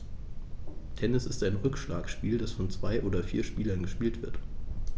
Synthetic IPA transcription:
tʰɛnɪsɪstaɪnʁʏkʃlaːksʃpiːldasfɔnt͡sv̥aɪʔoːdɐfḭːɐʃpiːlɐnɡəʃpiːltv̥ɪɐt

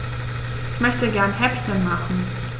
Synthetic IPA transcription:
ʔʔɪçmœçtəɡɛɐnɦɛpçənmaχn̩

